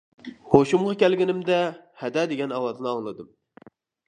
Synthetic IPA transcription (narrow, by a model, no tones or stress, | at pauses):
hoʃumʁɑkʲælɡʲɪnɪmd̪ɛhɛd̪ɛd̪eɡʲɛnɑwɑzɨnɨɑŋlˠɨd̪ɨm